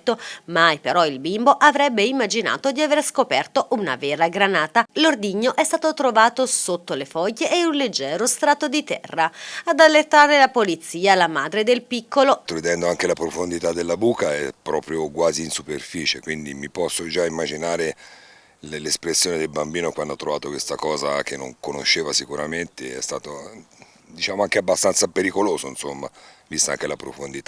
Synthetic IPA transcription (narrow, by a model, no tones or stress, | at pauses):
t̪ːomajpeɾɔilbimboʔavɾɛbːeimːad͡ʒina̰ːt̪od̪iaveɾskopɛrt̪oʔuna̰vɛːɾaɡɾanaːt̪alord̪iɲːoʔɛst̪aːt̪ot̪ɾovaːt̪osot̪ːolefɔjːeʔːunled͡ʒːɛːɾost̪ɾaːt̪od̪it̪ɛ̰rːaad̪alːet̪ːaːɾelapolit̪siːalamaːd̪ɾed̪elpikʰːolot̪oɾid̪ɛnd̪oaŋkelapɾofond̪it̪ad̪ːelːabuːkaɛ̰pːɾɔːpɾjokwaːziːnsuperfiːt͡ʃekwind̪imipɔsːod͡ʒaimːad͡ʒinaːɾe | llespɾesːjoːned̪elbambiːnokwand̪ɔt̪ːɾovaːt̪okwest̪akɔːzak̟enːo̰ŋkono̰ʃːeːvasikuɾament̪eɛ̰st̪aːt̪o | d̪it͡ʃaːmoaŋkeabːast̪ant̪sapeɾikoloːzoinsomːa̰vist̪aa̰ŋk̟elapɾofond̪it̪a